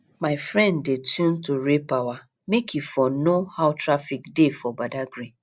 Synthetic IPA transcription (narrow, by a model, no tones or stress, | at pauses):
maɪfɾɛ̃ndːetʰjũn̩toɾepawa | mekifɔnohaʊtɾafikdefɔbadaɡɾi